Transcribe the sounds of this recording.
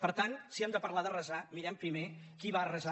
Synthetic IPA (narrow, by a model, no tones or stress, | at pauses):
pəɾt̪ansiɛmd̪əpəɾlaðərəzamiɾɛmpɾimekiβarəza